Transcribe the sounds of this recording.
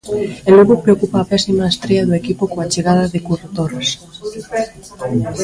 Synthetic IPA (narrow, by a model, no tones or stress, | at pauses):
eluɣopɾeokupaːpɛsimaest̪ɾeaðoekipokoat͡ʃeɣað̞ɐðekuret̪ores